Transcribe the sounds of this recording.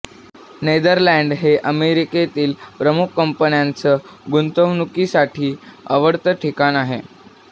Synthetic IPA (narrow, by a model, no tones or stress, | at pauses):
ned̪əɾlæɳɖɦeʔəmeɾiket̪iːlpɾəmukʰːəmpənjant͡səɡunt̪əʋnukisaʈʰiːəʋəɽt̪əʈʰikanaɦe